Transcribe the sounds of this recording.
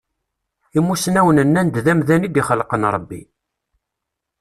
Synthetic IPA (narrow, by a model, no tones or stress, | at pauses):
imːusnæwənənːænd̪ðæmðænid̪iχəlːqənɾˤəbːḭ